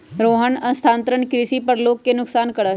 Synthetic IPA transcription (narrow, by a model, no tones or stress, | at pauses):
ɾoːɦəɳə̃nst̪ʰãːnt̪ɾəɳkɾisipəɾloːkːenʊksaːnkəɽa